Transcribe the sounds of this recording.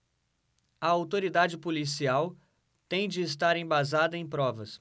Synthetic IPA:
ɐawt̪oɾid̪ad͡ʒɪpolisiaw | t̪ẽj̃d͡ʒɪːst̪aɾẽj̃bazad̪ɐẽj̃pɾɔvɐs

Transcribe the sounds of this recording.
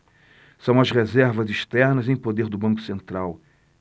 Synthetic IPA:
sɐ̃w̃ɐzʁezɛɾvɐziʃt̪ɛɾnɐzẽj̃pod̪eɾd̪ʊbɐ̃kʊ̥sẽnt̪ɾaw

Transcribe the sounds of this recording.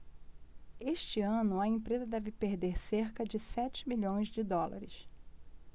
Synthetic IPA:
eʃt͡ʃɪɐ̃nʊɐẽpɾezɐd̪ɛvɪpeɾd̪eɾseɾkɐd͡ʒɪsɛt͡ʃɪ̥miʎõj̃zd͡ʒɪd̪ɔlɐ̰ɾɪs

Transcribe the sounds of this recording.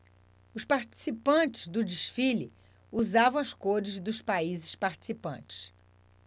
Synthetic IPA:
ʊspaɾt͡ʃi̥sipɐ̃t͡ʃɪ̥zd̪ʊd͡ʒiʃfili | uzavɐ̃w̃ɐskoɾɪzd̪ʊspaizɪspaɾt͡ʃi̥sipɐ̰̃t͡ʃɪ̥s

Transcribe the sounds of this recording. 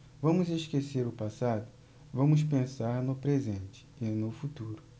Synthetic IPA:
vɐ̃mʊzeʃkeseɾʊpasad̪ʊ | vɐ̃mʊspẽsaɾnʊpɾezẽnt͡ʃɪ̥ɪnʊfut̪uɾʊ

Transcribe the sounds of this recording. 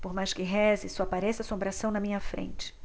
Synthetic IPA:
poɾmajʃkɪɦɛzɪsɔapaɾɛsɐsõmbɾasɐ̃w̃nɐmĩɲɐfɾḛ̃nt͡ʃɪ̥

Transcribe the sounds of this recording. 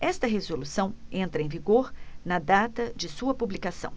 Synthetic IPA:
ɛst̪ɐɦezolusɐ̃w̃ẽnt̪ɾɐẽviɡoɾnɐd̪at̪ɐd͡ʒɪsuɐpublikasɐ̰̃w̃

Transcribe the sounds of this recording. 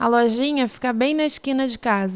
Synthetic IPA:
ɐlɔʒĩɲɐfi̥kabẽj̃nɐɪʃkĩnɐd͡ʒɪkazɐ

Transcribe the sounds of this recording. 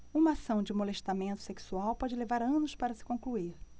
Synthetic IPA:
ũmɐasɐ̃w̃d͡ʒɪmoleʃt̪amẽnt̪ʊ̥seksuawpɔd͡ʒɪlevaɾɐ̃nʊspaɾɐsɪ̥kõkluiɾ

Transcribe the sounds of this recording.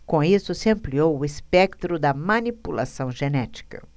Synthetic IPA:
kõisʊsɪɐ̃mpliowʊispɛkt̪ɾʊd̪ɐmɐnipula̰sɐ̃w̃ʒenɛt͡ʃi̥kɐ̰

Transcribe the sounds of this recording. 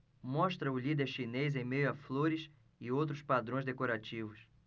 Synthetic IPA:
mɔʃt̪ɾɐʊlid̪eɾʃinez̬ẽj̃mejʊafloɾɪs | ɪowt̪̬ɾʊspad̪ɾõj̃zd̪ekoɾat͡ʃivʊs

